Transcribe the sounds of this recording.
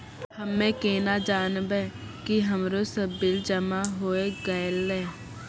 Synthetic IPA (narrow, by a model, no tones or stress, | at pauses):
həmːẽːkeːnaːd͡ʒaːnbɛ̃ː | kiɦəmɾosəbːɪld͡ʒəmaɦoːeɡaːɪlːɛː